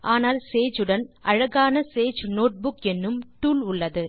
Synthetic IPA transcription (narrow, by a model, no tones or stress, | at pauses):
ʔaːnaːlseːd͡ʒɯɽɐnʔɐɻɐɣaːnɐseːd͡ʒnoːʈ̚bʊkɛnːɯmʈuːlʊɭːɐðɯ